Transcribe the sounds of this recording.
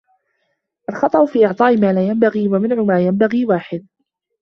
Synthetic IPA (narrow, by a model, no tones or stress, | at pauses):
ʔalxɑt̪ˤɑʔʊfiːʔɪʕt̪ˤɑːʔɪmaːlaːjambaɣiːwamɪnʕʊmaːjambaɣiːwaːħɪd̪̚